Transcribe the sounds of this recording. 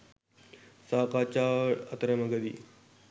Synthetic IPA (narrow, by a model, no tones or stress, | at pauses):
saːkaːt͡ʃaːɐt̪ɾɐmɐɡɐd̪ḭː